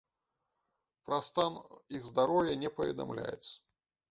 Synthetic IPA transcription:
pɾɐst̪aniɣzd̪aɾɔwjɐnʲɛpɐvʲɛ̰d̪a̰mlʲa̰jɛ̰t̪sɐ̥

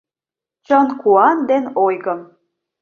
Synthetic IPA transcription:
t͡ɕənkuɑnd̪enojɣə̆m

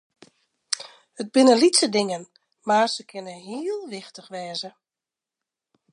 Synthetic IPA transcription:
həd̚bɪnəlitsədɪŋən | marsəkʰɪnəɦiəlˠʋɪxtəxʋɛːzə

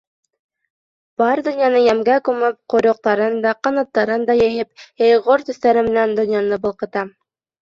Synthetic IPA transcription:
b̥ɑɾd̪ɵ̆njɑnɤjæmɡækʉmɘp̚qŏɾŏq̚t̪ɑɾɤnd̪ɑqɑnɑ̆t̪ːɑɾɤnd̪ɑjɘ̆ɦɘpjɑjʁoɾt̪ɵ̆θt̪æɾɘmɘ̆nænd̪ŏnjɑnɤbɤ̆lˠqɤ̆t̪ɑ

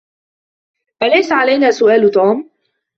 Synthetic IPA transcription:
ʔalajsaʕalajnaːsʊʔaːlt̪uːm

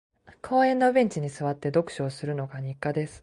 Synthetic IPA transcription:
kʰoːẽ̞nːobʲẽ̞ɲ̟t͡ɕiɲ̟isɨβat̪ːe̞d̪o̞kɯ̟̥ɕo̞ːsɨɾɯ̟no̞ɡaɲ̟ikːad̪e̞sɨ̥

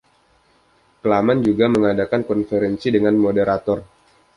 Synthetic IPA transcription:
kəlamand͡ʒuɡaməŋadakankɔnfeɾɛnsidəŋanmodəɾat̪ɔr

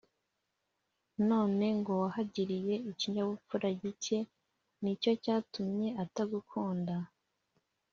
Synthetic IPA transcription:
no̞ːne̞ŋɡo̞wahaɟiɾije̞iciɲaβufuɾaɟice̞ | nico̞caːtumɲe̞ataɡukʰoːnda

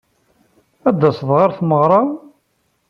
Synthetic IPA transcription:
æd̪ːæsðˤʁaɾθməʁɾˤɑ

